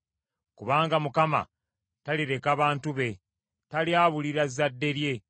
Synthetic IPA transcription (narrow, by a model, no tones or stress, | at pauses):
kuβaːŋɡamukama̰ | taliɾe̞kaβaːntuβe̞ | taliaːβuliɾazadːe̞ɾje̞